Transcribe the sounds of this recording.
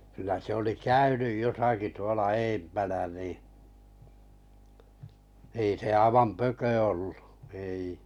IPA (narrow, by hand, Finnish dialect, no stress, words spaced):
kylæ se oli kæynyj josɑki tuolɑ eːmpænæ niˑ ei se ɑĭʋɑm pøkø olːu ei